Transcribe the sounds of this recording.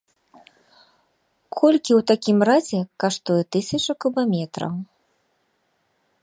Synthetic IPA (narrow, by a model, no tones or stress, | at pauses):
kʰɔlʲkʲiwt̪akʲimrazʲɛkaʂt̪ujɛt̪ɨsʲɐt͡ʂɐkubamʲɛt̪ɾɐ̰w